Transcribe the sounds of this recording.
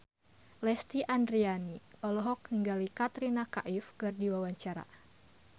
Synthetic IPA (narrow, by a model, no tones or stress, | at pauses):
lɛst̪iʔandɾianiɔlɔɦɔk̚niŋɡalikat̪ɾinakaʔɪfkɨrdiwawaɲt͡ʃaɾa̰